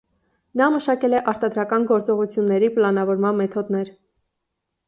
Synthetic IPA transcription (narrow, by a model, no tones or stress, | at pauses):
nɑməʃɑkɛlɛʔɑɾt̪ɑd̪ɾɑkɑnɡɔɾt͡sɔʁut͡sʰjunːɛɾipəlɑnɑvɔɾmɑnmɛt̪ʰɔd̪nɛɾ